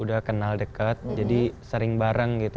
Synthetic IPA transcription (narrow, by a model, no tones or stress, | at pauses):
udahkənaldəkat̪̚d͡ʒadisəɾɪŋbaɾaŋɡit̪